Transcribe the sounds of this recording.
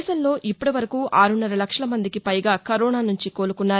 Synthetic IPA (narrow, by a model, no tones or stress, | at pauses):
sɐnlo̞ːʔipːɐɽiʋɐɾɐkuːʔaːɾunːɐɾɐlɐkʂɐlɐmɐnd̪ikipɐjɡaːkɐɾɔːnaːnuɲt͡ʃiko̞ːlukunːaː